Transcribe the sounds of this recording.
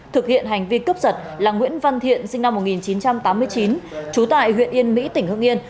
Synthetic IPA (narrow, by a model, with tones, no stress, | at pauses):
t̪ʰɨ˨˩k̚hḭ˧˨ənɦa˨˩jŋ̟vi˧kə˦˥p̚zə˨˩t̚ | laː˨˩ŋwḭ˧˥ənva˧nt̪ʰḭ˧˨ənsï˧ŋ̟na˧mːo˨˩t̚ŋi˨˩nt͡ɕi˨˦nt͡ɕa˧mt̪aː˨˦mːɨ˧əjt͡ɕi˨˦nt͡ɕu˨˦t̪a̰ː˧˨jhwḭ˧˨ənʔi˧ənmḭ˧˥t̪ï˩ŋ̟hɨ̰˧əŋʔi˧ən